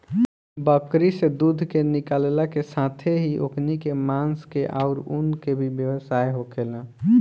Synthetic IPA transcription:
bəkɾised̪ud̪ʱkenɪkallakesat̪ʰeɦiʔo̰kʰnikemãnskeʔaʊɾunkebʱibjəwəsaeɦokʰelã

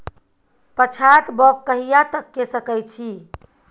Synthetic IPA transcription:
pət͡ʃʰat̪bɔkːəɦijat̪əkːesəkəjt͡ʃʰi

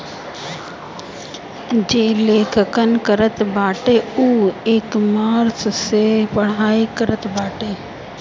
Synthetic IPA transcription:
d͡ʒeːleːkʰəkənkəɾət̪baːʈeuːeːkmaːɾssepəɽ̤aːikəɾət̪baːʈeː

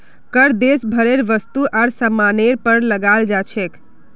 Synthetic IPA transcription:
kəɾd̪esbʱəɾeɾʋəst̪uʔaɾsəmaneɾpəɾləɡald͡ʒat͡ʃʰek

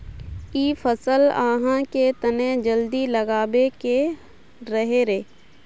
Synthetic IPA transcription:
iːfʰəsəlaːɦãket̪əned͡ʒəld̪iləɡaːbeke | ɾəɦeɾeː

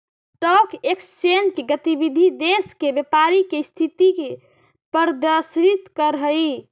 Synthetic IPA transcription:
ʈɔkekst͡ʃend͡ʒkeɡət̪ibid̪ʱid̪eskebjepaɾikest̪ʰit̪ike | pəɾd̪əsɾit̪kəɾɦəi

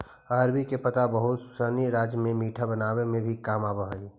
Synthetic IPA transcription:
aːɾbikepət̪abəɦʊt̪səniɾaːd͡ʒjəmẽmiːʈʰabənaːwemẽbʱikaːmaːbəɦi

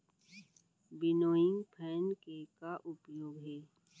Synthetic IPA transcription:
bɪnoːɪ̃ŋɡpʰɛːnkekaʔʊpjoːɡɦɛː

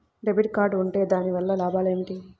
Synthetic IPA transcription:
ɾebiʈ̚kaːɾɖuɳʈe̞ːd̪aːniʋɐlːɐlaːbaːleːniʈi

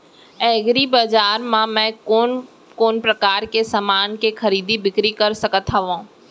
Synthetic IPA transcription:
ɛːɡɾibɐzaːɾmãmɛ̃ːoːn | koːnpɾɐkaːɾkesɐmaːnkexʰɐɾiːd̪ʱibɪkɾikɐɾsɐkət̪ɦɐʋãː

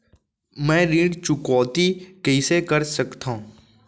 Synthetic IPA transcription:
mɛ̃ːɾiːɖt͡ʃʊkɔːt̪ikɛiːsekəɾsəkt̪ã

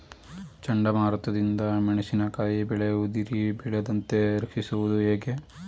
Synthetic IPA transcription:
t͡ʃɐɳɖɐmaːɾɐt̪ɐd̪ind̪ɐmɐɳɐsinɐkaːjibɛɭeɐud̪iɾibɛɭɐd̪ɐnt̪e̞ɾɐkʂisuʋud̪ueːɡe

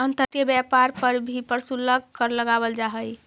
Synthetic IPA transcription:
ənt̪ət̪jəbjapaɾpəɾbʱipəɾsuləɡkəɾləɡabəld͡ʒaɦəj

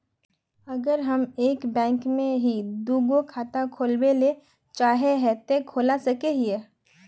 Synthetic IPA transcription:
ɐɡəɾɦɐmeːkbɛ̃ːŋkmẽɦid̪uːɡokʰaːt̪akʰoːlbele | t͡ʃaːɦeɦɛt̪ekʰoːlasɐkeɦiɛ

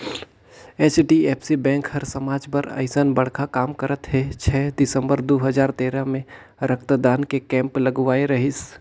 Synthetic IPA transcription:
eːt͡ʃʈieːpʰsibɛ̃ːŋkhɐɾsɐmaːd͡ʒpɐɾɐ̰ɪsənbɐɽ̤kakaːmkəɾət̪ɦɛt͡ʃʰɛːd̪ɪsə̃mbəɾd̪oːɦəd͡ʒaːɾt̪eːɾamẽ | ɾəkt̪d̪aːnkekɛ̃ːmplɐɡʋaːeɾɐɦɪs

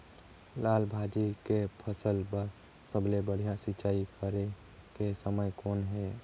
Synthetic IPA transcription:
laːlbʱad͡ʒikepʰəsəlpəɾ | səblebəɽ̤ijasɪtːt͡ʃaːikʰəɾe | kesəməjkoːnɦɛ

